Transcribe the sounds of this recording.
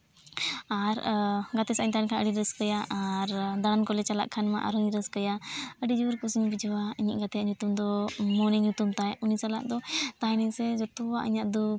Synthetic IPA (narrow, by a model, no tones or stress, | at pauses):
aɾɡat̪ɛsaɲt̪ankʰaʔəɖiɾəskəjaʔaɾd̪aɽankɔlɛt͡ʃala̰ʔkʰːanma̰ʔa̰ɾuɲɾəskəjaəɖid͡ʒuɾkusiɲbid͡ʒɔwaiɲaʔɡat̪ɛjaʔɲut̪umd̪ɔmɔniɲut̪umt̪ajunisala̰ʔ̚d̪ɔt̪aɦɛnɛɲsɛd͡ʒɔt̪ɔwaʔiɲaʔd̪u